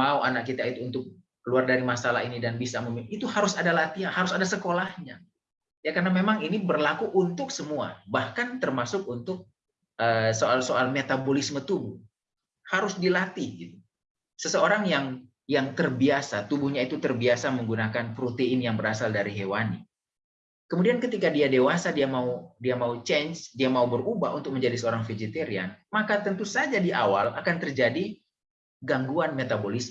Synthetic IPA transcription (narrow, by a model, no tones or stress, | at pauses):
mauanak̚kit̪ait̪uːnt̪ʊk̚ː | əluardaɾimasala̰ɦinidanbisaməmiit̪uhaɾʊsadalat̪iahaɾʊsadasəkolahɲa | jakarnamemaŋinibərlakuʔunt̪ʊksəmua̰bahkant̪ərmasʊk̚unt̪ʊk̚ | ʔəːsoalsoalmet̪abolismət̪ubʊh | haɾʊsdilat̪iɡit̪u | səsəoɾaŋjaŋ | jaŋt̪ərbiasat̪ubuhɲait̪ut̪ərbiasaməŋɡunakanpɾot̪eɪnjaŋbəɾasaldaɾiɦewani | kəmudiankət̪ikadiadewasadiamaudiamaut͡ʃɛnsdiamaubərubahṵnt̪ʊk̚məɲd͡ʒadisəoɾaŋfed͡ʒet̪eɾia̰nmakat̪ənt̪usad͡ʒadiawalʔakant̪ərd͡ʒadi | ɡaŋɡuanmet̪abolismə